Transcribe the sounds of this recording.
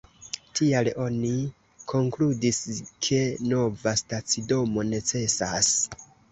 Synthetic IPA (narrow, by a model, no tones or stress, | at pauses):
tʰialo̞ni | kʰo̞ŋkludiskʰe̞no̞vastat͡sido̞mo̞ne̞t͡se̞sas